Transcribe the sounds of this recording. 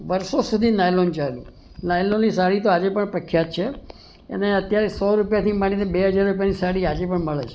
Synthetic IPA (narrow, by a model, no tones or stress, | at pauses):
ʋəɾsosud̪ʱinajlont͡ʃaelṵ̃ | najlonːis̬aɽit̪oad͡ʒepəɳpɾəkʰːjat̪̚t͡ʃʰe | ḛneət̪jaɾesɔɾupjat̪ʰimaɽinebeɦəd͡ʒaɾɾupjanisaɽiad͡ʒepəɳməɭet͡ʃʰe̥